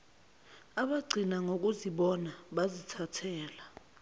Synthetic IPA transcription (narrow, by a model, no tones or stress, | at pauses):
aɓaɡ͡ǀʱinaŋok̬uziɓɔnaɓazitʰatʰɛːla